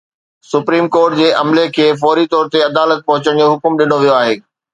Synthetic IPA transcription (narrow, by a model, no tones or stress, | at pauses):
sʊpɾiːmkɔːɾʈ̚d͡ʑeːʔɐmlekʰeːfɔːɾit̪ɔːɾt̪eɐd̪aːlət̪̚pɐɦʊt͡ɕəɽ̃d͡ʑoɦʊkmɗɪn̤oʋijoaːɦeː